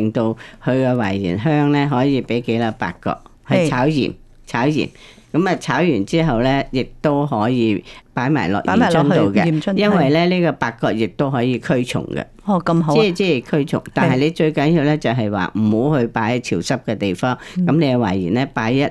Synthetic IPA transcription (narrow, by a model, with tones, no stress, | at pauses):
ɪ˨ŋt̪o˧whʰɵ˨˧ɥkɛ˧wa̰ː˨˩jjḭː˨˩nɦœː˥ŋlɛ˥ɦɔː˨˥jiː˨˧pe˨˥jke˨˥jla˧pa̰ː˨˧kːɔ̰ː˧k̚ | hɐ˨jt͡sʰaː˨˥wjḭː˨˩m | t͡sʰaː˨˥wjḭː˨˩m | kɐ˨˥mɐː˨t͡sʰaː˨˥wjyː˨˩nt͡siː˥ɦɐ˨wlɛː˥jɪ˨k̚t̪o˥wɦɔː˨˥jiː˨˧paː˨˥jma̰ː˨˩jlɔ̰ː˨k̚ʔi˨˩˨t͡ʃʰɔ˥nt̪o˧wkɛ˧˨jɐ˥nwɐ˨jlɛː˥liː˥kɔː˧paː˧kːɔː˧k̚jɪ˨k̚t̪o˥wɦɔː˨˥jiː˨˧kʰɵ˥ɥt͡ʃʰʊ̰˨˩ŋkɛ̰˧kɦi˨˥˨t͡siː˨˥i˨kʰɵ˥ɥt͡sʰʊ̰˨˩ŋt̪aː˨nhɐ˨jle˨˧jt͡ʃɵ˧ɥkɐ˨˥njiː˧wlɛː˥t͡sɐ˨wɦɐ˨jwa̰ː˨m̩˨˩ho˨˥whɵ˧ɥpaː˨˥jt͡sʰiː˨˩wsɐ˥p̚kɛː˧t̪e˨jfɔː˥ŋkɐ˨˥mne˨˧kɛ˧wa̰ː˨˩jjiː˨˩nlɛː˥paː˨˥jjɐ˦˥t̚